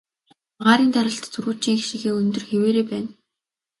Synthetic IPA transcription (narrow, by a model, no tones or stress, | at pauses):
ʁaːɾiːnt̪aɾə̆ɬt̪t͡sʰɵrɣuːt͡ɕĭŋixʃiɣeːɵnt̪ɵ̆rxeweːɾeːpæːn